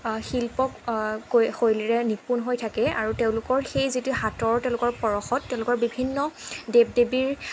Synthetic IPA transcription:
xilpɔkː | xojliɹɛnipunɦojtʰakɛa̰ɹuteʊ̃lʊkɔɹxejzituhatɔɹtɛʊ̃lʊkɔɹpɔɹɔxɔt̚ːɛʊ̃lʊkɔɹbibʱinːɔdeb̚debiɹ

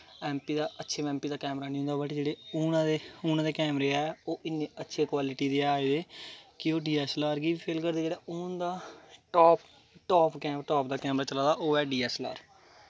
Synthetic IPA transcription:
ɛ̃ːmpiːd̪aːʔətːʃʰeːɛ̃ːmpiːd̪aːkɛːmɾaːnĩɦʊ̃nd̪aːbaʈid͡ʒeːɽeːuːnãd̪eːʊːnãːd̪eːkɛːmɾeːɛːoːʔɪnːẽːətːʃʰeːkwaːlɪʈiːd̪eːaːeːd̪eːkɪoːɖiːɛːslaːɾɡiːʋiːpʰeːlkəɾd̪eːd͡ʒeːɽaːʔʊːnd̪aːʈɔːp̚ | ʈɔːpkɛːʈɔːp̚d̪aːkɛːmɾaːt͡ʃəlaːd̪aːʔoːɛːɖiːɛːsla̰ːɾ

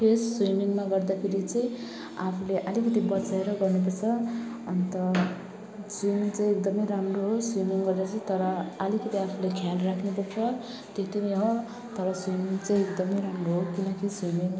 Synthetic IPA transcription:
pʰesswumiŋmaɡʌrd̪akʰeɾit͡sʌj̃ | apʰuleʔʌlikʌt̪ibʌt͡saeɾʌɡʌrnep̬ʌrt͡sʰʌ | ʌnt̪ʌ | swimiŋt͡sʌj̃ek̚d̪ʌmʌjɾamroɦoswimiŋɡʌɾeʌt͡sʌ̃t̪ʌɾʌːlikʌt̪iapʰulekʰjalrakʰnepʌrt͡sʰʌ | t̪et̪iniɦo | t̪ʌɾʌswimiŋt͡sʌ̃j̃ekd̪ʌmʌjɾamroɦokinʌkiswimiŋ

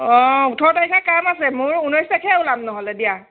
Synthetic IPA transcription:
ɔ̃utʰɔɹtaɹikʰakamasɛmʊɹunɔjsakʰɛulamnɔɦɔlɛdija

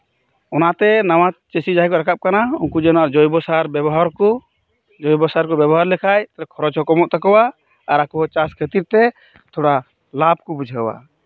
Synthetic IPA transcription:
ɔnat̪ɛnawat͡ʃesid͡ʒaɦɛkɔɾakʰap̚kanauŋkud͡ʒɛnɔaɾd͡ʒɔjbɔsaɾbɛbɔɦaɾkɔ | d͡ʒɔjbɔsaɾkɔbjɛbɔɦaɾlɛkʰajt̪aɾɛkʰɔɾɔd͡ʒɔkɔmɔʔt̪akɔwaː | ɾakɔɦɔt͡ʃaskʰet̪iɾt̪ɛ | t̪ʰɔɽa | lab̚kɔbud͡ʒʱawa̰

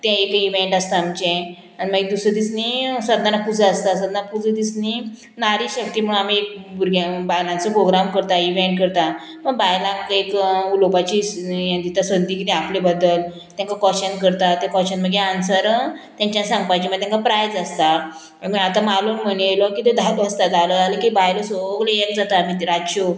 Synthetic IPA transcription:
t̪ɛ̃ekiʋeɳʈast̪aːmt͡ɕẽ | aɽiməɡd̪usəd̪isnisəd̪nanapud͡zəəst̪asəd̪nanapud͡zəd̪isni | naɾiːɕək̚t̪iːm̤əɳamiek̚buɾɡabajlãnt͡sɔpɾoɡɾamkəɾt̪aiʋeɳʈ̚kəɾt̪a | məɡbajlãŋkaekulopat͡ɕijãnt̪it̪asʋənd̪iːkit̪ɛaplebəd̪əl | t̪jãŋkakɔɕənkəɾt̪at̪ekɔɕənməɡjeansəɾt̪jãɲt͡ɕjãsãŋɡ̚pajt͡ɕim̤əɡ̚t̪aŋkapɾajd͡zəst̪a | miat̪amalunməneelokit̪ed̪ʱaləst̪ad̪aləalekibajlosoɡleekd͡zat̪aːmiɾaɕo

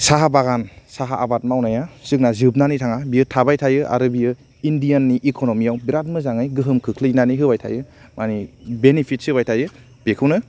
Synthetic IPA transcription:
saɦabaɡansaɦaʔabat̚mawnajasɯk̚nazɯb̚nanitʰaŋabiɯtʰabajtʰajɯʔa̰ɾɯbijɯ | indijanːiʔikʰonomijawbiɾat̚mɯzaŋɯjɡɯɦɯmkʰɯkʰlɯjnaniɦɯbajtʰa̰jɯmʔanibenipʰit̚sɯbajtʰajɯ | b̥ekʰɯwnɯ

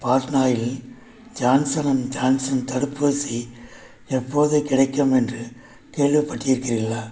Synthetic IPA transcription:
paːɾnaːjɪl | d͡ʒaːnsɐnɐmd͡ʒaːnsɐnt̪ɐɽɯpːoːsi | ɛpːoːðɯkɪɽɐɪkːɐmɛndrɯ | keːɭʋɪpːɐʈːɪjɪɾɯkːɪrɪlːɐ

